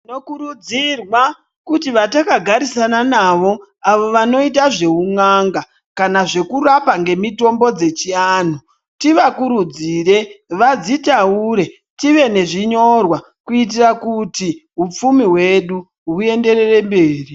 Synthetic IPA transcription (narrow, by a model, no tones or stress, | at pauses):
inokuɾud͡zirwa | kutiʋatakaɡʱaɾisananaʋo̞aʋo̞ʋano̞it̬aʐe̞uŋaŋɡa | kanaʐe̞kurapaŋɡe̞mito̞mbo̞d͡ze̞t͡ʃian̤u | tiʋakuɾud͡zire̞ʋad͡zitauɾe̞ | tiʋe̞ne̞ʐiɲo̞rwa | kuit̬irakutiɦup͡fumiɦwe̞ɗu | ɦue̞nde̞re̞re̞mbeːri